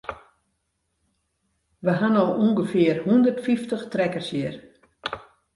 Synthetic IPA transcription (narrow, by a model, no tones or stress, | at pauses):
ʋəɦanɔxuŋɡəfɪərhundərtfiftəxtrɛkərsjər